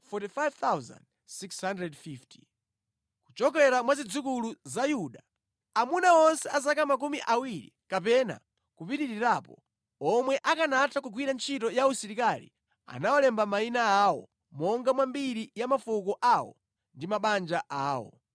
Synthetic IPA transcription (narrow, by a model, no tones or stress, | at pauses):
fɔtifajvt̪awza̰nd̚ | sikshandrɛdfiftʰi̥ | ku̥t͡ʃɔkɛɾamwazid͡zukuluzajuɗa | amunaɔnsɛasakamak̬umiʔawiɾḭkapɛna̰ | kupitiɾiɾapɔ̰ | ɔmwɛʔakanatʰak̬uɡwiɾant͡ʃʰitɔjausiɾikalḭ | a̰nawɔlɛmbamainaawɔ̰ | mɔŋɡamwambiɾijamafukɔʔawɔ̰ | ndimaɓand͡ʒaʔaːwɔ̰